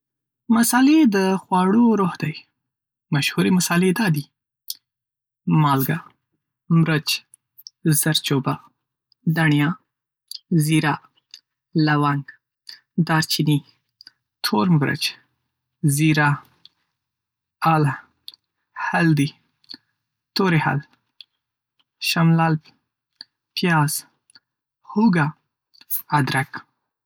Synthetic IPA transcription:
masɑled̪əxwɑɽoɾohd̪aj | maʃhuɾemasɑled̪ɑd̪i | mɑlɡa | mɾət͡ʃ | z̥aɾt͡ʃoba | d̪aɳjɑ | ziɾa | lawaŋɡ | d̪ɑɾt͡ʃini | t̪ʰoɾmbɾa̰t͡ʃ | ziɾa | ala | hald̪i | t̪oɾeha̰l | ʃamlaːlb | pjɑːz | huɡa | ad̪ɾak

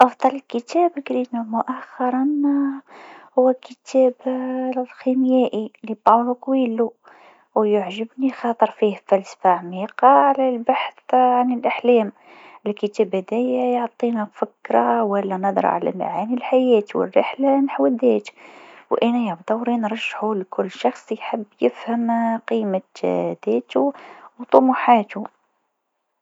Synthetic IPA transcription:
ʔɑfd̪ˤɑləlkət̪ʰæːbklinæmʊʔaxːɑɾˤɑn | hʊwːækət̪ʰæːblximjæːʔilibɑlukwiːlu | wjʊʕʒəbnixɑt̪ˤəɾˤfiːhfælsfaʕmiqɑʕlælbaħθʕanəlʔəħlæːm | ɪlkət̪æbhæd̪æjæjoʕt̪ˤinæfɪkɾˤɑwælːænɑd̪ˤɾ̰ˤʕa̰læ̰ma̰ʕanilħajæːt̪wə̰rːə̰ħlanaħwəd̪æːt̪wʔænæjabd̪ˤɑwɾinɾˤɑʒːħulkʰʊlːʃɑxsˤjħəbːjɪfhəmqimad̪æːt̪uwt̪ˤʊmuħaːt̪u

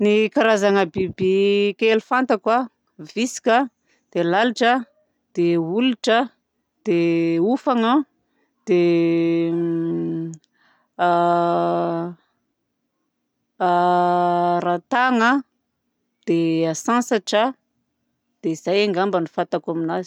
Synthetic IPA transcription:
nikaɾazaŋəbibikelufant̪akwa | visi̥kə | d̪̥elaliʈ͡ʂə | d̪̥euluʈ͡ʂə | d̪̥eufaŋə | d̪̥e | ɾat̪aŋə | d̪̥easãnsaʈ͡ʂə | d̪̥eiz̥ajaŋɡambənifant̪akaminazi̥

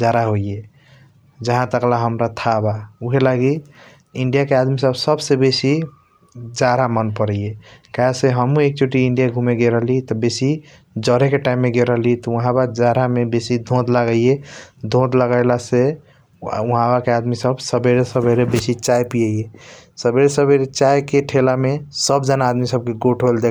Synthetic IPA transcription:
d͡ʒaɾaɦoije | d͡ʒəɦãt̪əklaɦəmɾat̪ʰabauɦelaɡi | iɳɖijakead̪misəbsəbsebesi | d͡ʒaɾamənpəɾəjekaseɦəmũek̚t͡ʃoʈiiɳɖijaɡʱũmeɡeɾəɦlit̪ɔbesi | d͡ʒəɾekeʈaimːeɡeɾəɦlit̪ɔəɦãbad͡ʒaɾamebesid̪ʱõd̪ʱlaɡəijed̪ʱõd̪ləɡajlase | uɦãbakead̪misəbsəbeɾesəbʱeɾebesit͡ʃajpijejesəbeɾesəbʱeɾet͡ʃajkeʈʰelamesəbd͡ʒənaːd̪misəb̚keɡoʈʰeld̪e

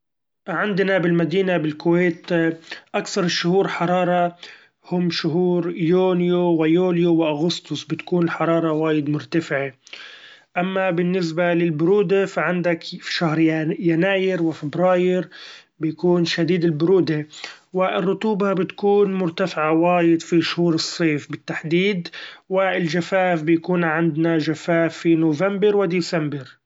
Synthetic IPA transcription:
ʕɪnd̪nabɪlmad̪iːnabɪlkʊwejːt̪ʔakθɑɾˤʃʊhuːɾħɑɾˤɑːɾˤɑ | hʊmːʃʊɦuːɾjoːnjowɪjoːljowɪʔaɣʊst̪ʊsbɪt̪kuːnɪlħɑɾˤɑːɾˤɑwaːjɪd̪mʊɾt̪afɪʕe | ʔamːabɪnːɪs̬balɪlbʊɾuːd̪efaʕɪnd̪akʃahɾjanaːjɪɾwɪfɪbɾaːjɪɾ | bɪjakuːnʃad̪iːd̪ɪlbʊɾuːd̪ewɪrːʊt̪uːbabɪt̪kuːnmʊɾt̪afɪʕawaːjɪd̪fiʃʊhuːɾɨsˤːeːfbɪt̪ːaħd̪iːd̪wɪlʒafaːfbɪjakuːnʕɪnd̪naʒafaːfːinoːvambɪɾwɪd̪isambɪɾ

